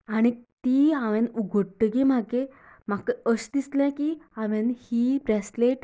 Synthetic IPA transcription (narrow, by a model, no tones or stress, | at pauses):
aɽ̃it̪iːaʋɛ̃nuɡʱəɽʈ̪əɡem̤aɡe | m̤akəɕd̪islɛ̃kiãʋɛ̃nhiːbɾɛsleʈ